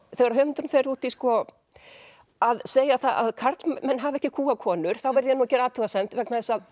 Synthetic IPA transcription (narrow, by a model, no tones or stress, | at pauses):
θɛɣaɾaɦœːmɪt̪ʏɾʏmfeɾuːt̪iskɔ | aðseːjaθaa̰ðkʰaɾt̪lmɛnːɦavɛhcɪkʰuːakʰɔːnʏɾ̥θawvɛɾðɪjɛnuɛcɛːɾaːt̪ʰʏɣasɛnt̪vɛknaðɪsað